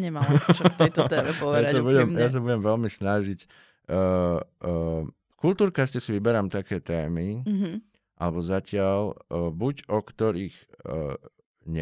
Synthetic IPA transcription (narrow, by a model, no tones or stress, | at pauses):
ɲɛmajt̪t̪ɛɛɔʋjɛaasabuɟɛmjas̬abuɟɛmʋɛlmisnaʒicː | kult̪uːɾkascɛsiʋibɛɾamt̪akɛːt̪ɛːmiɦ | ʔa̰lɛbɔzacɪalbuɟɔkt̪ɔɾiːx | ɲɛ